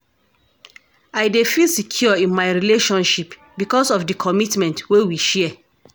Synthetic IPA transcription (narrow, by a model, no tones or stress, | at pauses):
aɪdefilsikʰjɔɔĩnmaɪɹileʃɔ̃nʃip | bikɔsɔfdəkʰɔmitmɛ̃ntwewiʃɛ